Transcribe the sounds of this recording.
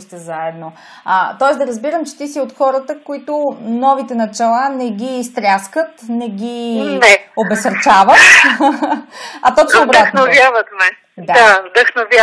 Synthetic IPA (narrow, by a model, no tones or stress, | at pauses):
st̪ɛzaɛd̪no | ət̪ɔɛsd̪ɐɾəzbiɾəmt͡ʃɛ̥t̪isiot̪xɔɾət̪əkoit̪ʊnɔvit̪ɛnɐt͡ʃɛlˠanɛɡist̪ɾʲjaskət̪nɛɡinɛobɛsəɾt͡ʃavət̪ | ɐt̪ɔt͡ʃnoːbɾatxnovjavət̪mɛ | d̪aavd̪əxnovʲja